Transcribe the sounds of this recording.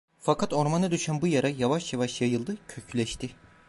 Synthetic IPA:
fakʰat̪o̞ɾmanɯd̪yʃænbujaɾajavaʃjavaʃjajɯlˠd̪ɯcʰø̞cʰylʲɛʃt̪ʰɪ

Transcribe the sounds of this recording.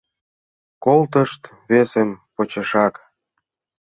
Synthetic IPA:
kolt̪əʃt̪ | βesempot͡ɕə̆ʃɑk

